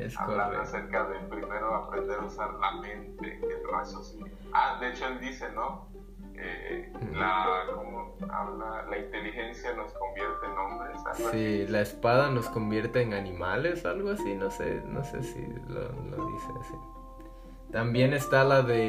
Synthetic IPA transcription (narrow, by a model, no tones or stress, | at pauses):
ḛsa̰βkoaaseɾkaðepɾime̞ɾoapɾend̪eɾausaɾlamẽ̞nt̪ḛelra̰sosi | aðeet͡ʃoeld̪ise̞no | ḛlakoa̰βlalaint̪e̞lixe̞nsjano̞sko̞mbjeɾt̪eːnõmbɾesa̰silaespaðano̞sko̞mbje̞ɾt̪e̞ːnanĩmale̞soalɣoasino̞se̞̰no̞̰sḛsḭlo̰lo̰ðḭsḛsi | t̪ambje̞ne̞st̪alaðe̞